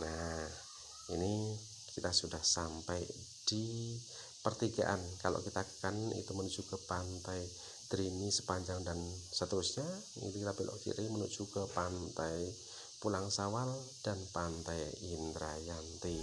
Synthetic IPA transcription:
nah | ḭni | kit̪asudahsampaj | d̥i | pərt̪iɡa̰ʔa̰nkalo̰kit̪akanḭt̪umənud͡ʒuɡapant̪aj | d̪ɾimisə̥paɲd͡ʒaŋdansət̪əɾusɲa | ḭɾiɾapilʔɔ̰ʔkḭɾimənuʔt͡ʃuɡapant̪aj | pulaŋsawald̥anpant̪ajint̪ɾajant̪i

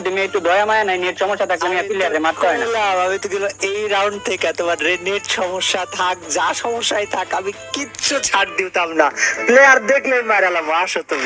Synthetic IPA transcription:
d̪imiek̚ʈud̪ʱɔjamajanajneʈʃɔmoʃːat̪ʰakleamiaileaɾemat̪ːaɦɔjnalaamit̪uɡiloejɾawɳɖ̚t̪ʰekɛt̪ebaɾɾeneʈʃɔmoʃːat̪ʰak̚d͡ʑaʃɔmoʃːajt̪ʰakamikitːʃʰut͡ʃʰaʈ̚d̪iwt̪amnaplejaɾd̪ekʰlejmajɾalamaʃot̪u

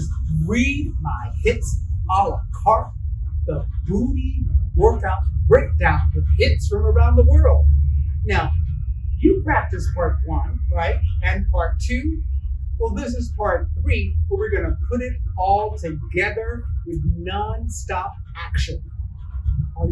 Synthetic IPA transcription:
ʌzɹid̚maɪhɪtsɔlˠə̥kʰɑɹt̚ðəbuɾiwɜ˞k̚taʊt̚ɹeɪk̚taʊ̃nwʌðhɪtsfɹʌ̃mə˞ãʊ̃nðəwɜ˞lˠd̥̚naʊjɨpʰɹ̥æk̚tɨspʰɑɹt̚wʌ̃nɹaɪt̚ɨ̃npʰɑɹtʰʉ | wɛlˠðɪs̬ɨz̥pʰɑɹt̚θɹiwəwɨɹɡʌnɨpʰʊɾɪɾɔlˠtʰɨɡɛðə˞wɨðnʌ̃nstɑpækʃɨ̃n

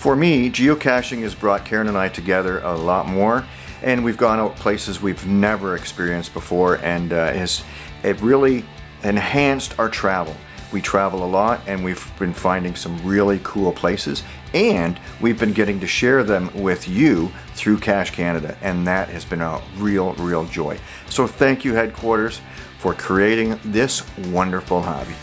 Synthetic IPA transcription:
fə˞mid͡ʒioʊkʰæʃɪ̃ŋɨzbɹɔt̚kʰɛɹɨ̃nɨ̃naɪtʰɨɡɛðə˞ʔəlɔt̚mɔɹ | ʔɨ̃nwivɡɔ̃ñaʊpʰl̥eɪsɨzwivnɛvə˞ɨkspɪɹiɨ̃nsb̥əfɔɹɨ̃nz̥ | ɪt̚ɹɪlˠi | ɨ̃nhæ̃nstaʊə˞tʰɹ̥ævl̩ˠ | witʰɹ̥ævl̩ˠəlɔɾɨ̃nwiv̥bɨ̃nfãɪ̃ndɪ̃ŋsʌ̃mɹɪlˠikʰulˠpʰl̥eɪsɨ̰z | ɨ̃nwivbɨ̃nɡɛɾɪ̃ŋtɨʃɛɹðɨ̃mwɪðjɨ | θɹʉkʰæʃkʰæñɨɾɨ̰ʔɨ̃nðɨt̚hɨzbɨ̃nəɹilˠɹilˠd͡ʒɔɪ | soʊθæ̃ŋkjɨhɛd̚kʰw̥ɔɹɾə˞z̥ | fə˞kʰɹ̥ieɪɾɪ̃ŋðɪswʌ̃ndə˞fl̩ˠhɑ̰bi

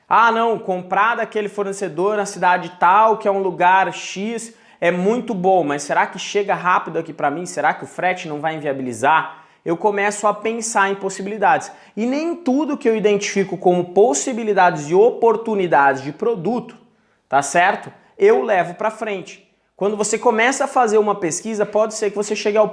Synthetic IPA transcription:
anɐ̃w̃kõpɾad̪ʊakelɪfoɾnesed̪oɾnɐsid̪ad͡ʒɪt̪awkɪɛũluɡaɾʃis | ɛmũj̃t̪ʊbõmɐsːeɾakɪʃeɡɐɦapid̪ʊakipɾɐmĩseɾakɪʊfɾɛt͡ʃɪnɐ̃w̃vajẽviabilizaɾ | ewkomɛsʊɐpẽsaɾẽj̃posibilid̪ad͡ʒɪs | ɪnẽj̃t̪ud̪ʊkɪewid̪ẽnt͡ʃi̥fikʊkõmʊposibilid̪ad͡ʒɪzd͡ʒɪopoɾt̪unid̪ad͡ʒɪzd͡ʒɪpɾod̪ut̪ʊ̥ | t̪asɛɾt̪ʊ | ewlɛvʊpɾɐfɾẽnt͡ʃɪ̥ | kwɐ̃nd̪ʊvosekomɛsɐːfazeɾũmɐpeskizɐpɔd͡ʒɪseɾkɪvoseʃeɡɪaw

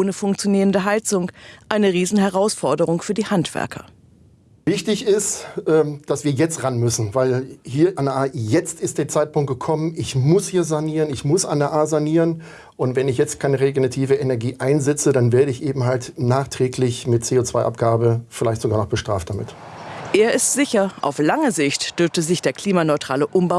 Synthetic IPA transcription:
ʔoːnəfʊŋk̚t͡sjoniːʁəndəɦaɪt͡sʊŋʔaɪnəʁiːzn̩hɛʁaʊsfɔɐdəʁ̞ʊŋfyːɐdiːhantv̥ɛ̰ɐkʰɐ̰ | vɪçtɪçɪstʔɛːd̥asv̥iːɐjɛt͡stʁanmʏsn̩vaɪlhiːɐʔandɛʔaːjɛt͡stɪst̚d̥eːɐt͡saɪt̚pʊŋt̚ɡ̥əkʰɔmənʔɪçmʊshiːɐzaniːʁənɪçmʊsʔa̰ndɛɐʔaːzaniːʁən | ʔʊntv̥ɛnɪçjɛt͡stkʰaɪnəʁeɡonatʰiːvəʔenɛɐɡiːʔaɪnzɛt͡sədanveːɐɾəɪçʔeːbm̩ɦaltnaːχtʁ̥ɛːklɪçmɪt̚t͡seːot͡sv̥aɪʔa̰p̚ɡ̥aːbəfɪlaɪçtz̥oɡaːɐnɔχb̥əʃtʁ̥aːft̚d̥amɪ̰t | ʔeːɐɪstz̥ɪçɐʔa̰ʊflaŋəzɪçtd̥ʏɐftəzɪçd̥eːɐkʰl̥iːmanɔʏtʁ̥a̰ːləʔʊmba

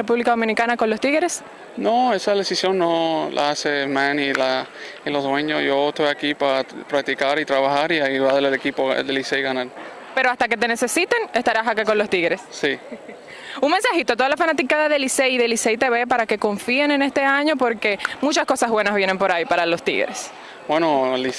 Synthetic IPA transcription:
epuβlikaðo̞mĩnikanako̞nlo̞st̪iɣe̞ɾe̞s | noesaðesisjo̞nːolʔa̰asemãnila | ilo̞zðweɲosʝoest̪ojakipapɾak̚t̪ikaɾit̪ɾaβaxaɾiaiɾβaðelelekipo̰d̪elisejɣanaɾ | pe̞ɾoast̪ake̞t̪e̞ne̞se̞sit̪e̞ne̞st̪aɾasakako̞nlo̞st̪iɣɾe̞sːi | uŋmensaxit̪ot̪o̞ðalafanat̪ikaðaðe̞liseiðeliseit̪e̞βe̞paɾake̞ko̞ɱfiene̞ne̞st̪e̞aɲo̞poɾke̞mut͡ʃasko̞sazβwe̞nazβje̞nempo̞ɾajpaɾalo̞st̪ḭɣɾes | bwenoli

